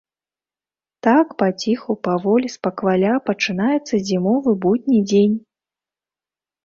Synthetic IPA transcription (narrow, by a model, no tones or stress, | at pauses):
t̪akpat͡sʲixupavɔlʲispɐkvalʲapɐt͡ʂɨnajɛt̪sːɐzʲimɔvɨbud̪ʲnʲid͡zʲenʲ